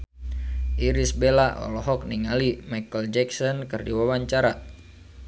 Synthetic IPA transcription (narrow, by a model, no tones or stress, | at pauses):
ʔiɾisbelaʔɔ̰lɔɦɔk̚niŋalimajkəld͡ʒɛk̚sɔnkɨrdiwawaɲt͡ʃaɾa